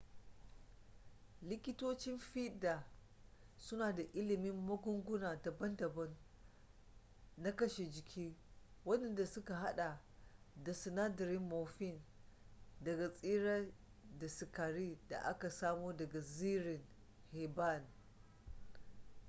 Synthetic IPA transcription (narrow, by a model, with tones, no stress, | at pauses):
lɪ˦kʲɪ˦toː˦t͡ʃɪ˦mɸi˦da˨ | sʊ˦naː˨da˨ʔɪ˦lɪ˨mɪ˦mːɐ˦ɡʷʊ˦ŋɡʷʊ˦naː˨dɐ˨bɐ˦ndɐ˨bɐ˦n | a˦kɐ˦ʃe˨d͡ʒɪ˨kʲʰiː˦ | wɐ˦nɛ˦nda˨sʊ˦ka˨ɦa˦ɗa˨ | da˨sɪ˨naː˦dɐ˨ɾɪ˦mːoː˨ɸɪ˦˨n | dɐ˨ɡa˨sʼiː˦ɽa˦ | da˨sɪ˨kaː˨ɾiː˦da̰˨ʔa̰˦ka˨saː˦moː˦dɐ˨ɡa˨ziː˦ɾɪ˨ŋ | heː˨ba˦˨n